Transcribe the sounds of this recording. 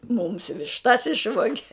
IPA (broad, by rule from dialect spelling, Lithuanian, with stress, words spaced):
mʊms ʋʲɪʃˈtɐs ˈɪʃʋoːɡʲɛ